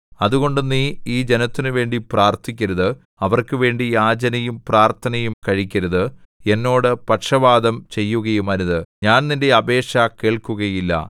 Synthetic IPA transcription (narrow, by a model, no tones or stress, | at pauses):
ɐðuɣo̞ɳɖunːiiːd͡ʑe̞nɐt̪ːinɨʋe̞ːɳɖipraːrt̪ʰikʲːɐɾɐðɨ | ɐʋɐrkɨʋe̞ːɳɖijaːd͡ʑɐnɐjumpraːrt̪ʰɐnɐjumkɐɻikʲːɐɾɐðɨ | e̞nːo̞ːɽɨpɐʈʂɐbaːd̪ɐmt͡ɕe̞jːuɣɐjumɐɾuðɨɲaːnninde̞ɐbe̞ːʂɐke̞ːɭkuɣɐjilːɐ̰